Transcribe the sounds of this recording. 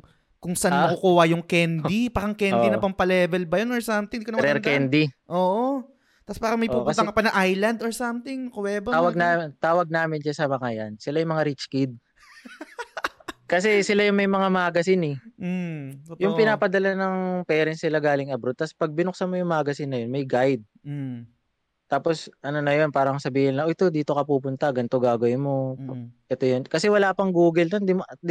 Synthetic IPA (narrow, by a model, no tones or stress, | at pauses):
kʊŋsɐʔannɐkukuːhɐjʊŋkɛnd̪ipaːɾɐŋkɛnd̪inɐpɐmpɐlɛːvɛlbɐjonoɹsɐmt̪ɪ̃ŋd̪ikonɾɛɾkɛnd̪iʔoːʔo | t̪aspaːɾɐŋmɐjpuːpʊnt̪ɐŋkɐpɐnɐʔajlɐnd̪oɹsɐmt̪ɪŋkowɛːbɐawɐɡnat̪aːwɐɡ̚naːmɪnʃasɐmɐŋaja̰nsɪlajʊŋmɐŋaɾit͡ʃkid̪̚ | kɐsɛsɪlajʊŋmɐjmɐŋamaːɡɐsɪnɛ | jʊŋpɪnaːpɐd̪ɐlanɐŋpɛːɾɛnsnɪlaɡaːlɪŋɐbɾod̪̚t̪ɐspɐɡ̚bɪnʊk̚sɐmojʊŋmaːɡɐsɪnːɐjo̞nmɐjɡajd̪̚ | t̪aːpo̞sʔɐno̞nɐjo̞npaːɾɐŋsɐbiːhɪnlɐʔoʔɛt̪o̞d̪iːt̪o̞kɐpuːpʊnt̪ɐɡɐnt̪oɡaːɡɐjmo̞ʔɛt̪ojonkɐsɛwɐlaːpɐŋɡuːɡɪld̪ond̪ɪm